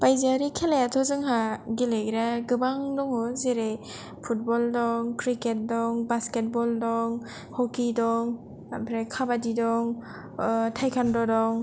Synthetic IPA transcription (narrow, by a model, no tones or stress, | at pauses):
pajziaɾikʰelajatʰɔzɯŋɦaɡilejɡɾaɡɯbaŋdɔŋɔzeɾe | pʰut̚bɔldɔŋkɾiket̚dɔŋbasket̚bɔldɔŋ | hɔwkidɔŋ | apʰɾekʰabadidɔŋ | tʰajkʰandɔdɔŋ